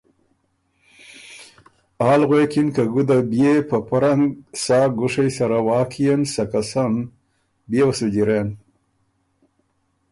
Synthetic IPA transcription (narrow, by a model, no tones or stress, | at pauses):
aːlɣweːkinkɐɡud̪abjepɐpuɾɐŋɡsaːɡuʂejsɐɾawaːkʰijɐnsɐkɐsɐn | bjewɐsud͡ʑiɾeːn